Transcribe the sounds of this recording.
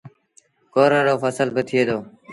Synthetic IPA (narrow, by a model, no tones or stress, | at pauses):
koːɾaːɽoːfəsəlbət̪ʰɪeːd̪oː